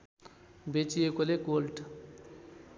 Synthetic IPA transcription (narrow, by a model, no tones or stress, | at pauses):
bet͡ʃijekolekolʈ